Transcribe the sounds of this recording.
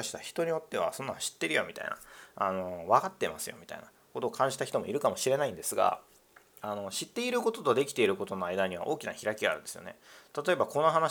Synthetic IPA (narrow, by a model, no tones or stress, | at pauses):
aɕi̥t̪açi̥t̪o̞ɲ̟io̞t̪ːe̞βa̰sõ̞nːãɕi̥t̪ːe̞ɾɯ̟jo̰mʲit̪a̰ina̰ano̞βakat̪ːe̞masɨjo̞̰mʲit̪a̰ina | ko̞t̪o̞ːkʰãɲ̟d͡ʑi̥t̪açi̥t̪o̞mo̞iɾɯ̟kamo̞ɕiɾe̞naĩnd̪e̞sɨɡa̰ | ano̞ɕit̪ːe̞iɾɯ̟ko̞t̪o̞t̪od̪e̞kʲi̥t̪e̞iɾɯ̟ko̞t̪o̞no̞aid̪aɲ̟iβ̞a̰ʔo̞ːkʲinaçiɾakʲiɡaɾɯ̟nd̪e̞sɨjone̞t̪at̪o̞e̞bako̞nːoɦana